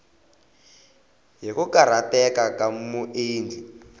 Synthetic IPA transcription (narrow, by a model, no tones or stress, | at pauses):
jikukaɾatɛkakamuʔeːndʱi